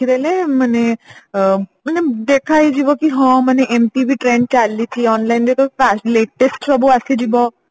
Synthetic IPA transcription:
iɾɛlemane | məned̪ekʰajd͡ʒibɔkiɦɔ̃maneʔemʈibiʈɾẽɳɖ̚t͡ʃalːit͡ʃʰiɔnlajnd̪et̪ɔpasleːʈesʈsɔbuased͡ʒibɔ

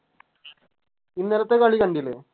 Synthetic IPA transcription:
inːelɐt̪ːekɐɭikɐɳɖilːḛː

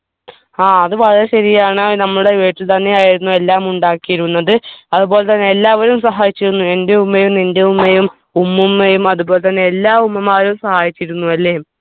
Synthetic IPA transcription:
aːɐðɨpɐrɐɐɕɐɾijaːɳɨnɐmːɐɭuɽe̞ʋeːʈːilt̪ɐnːe̞aːjiɾunːue̞lːaːmuɳɖaːkːijiɾunːɐðɨɐðubo̞ːlet̪ɐnːe̞elːaːʋɐɾumsɐɦaːjit͡ɕːiɾunːuende̞umːejumindeumːejum | umːumːejumɐðubo̞ːle̞t̪ɐnːe̞elːaːumːɐmaːɾumsɐhaːjit͡ɕːiɾunːuɐlːeːm

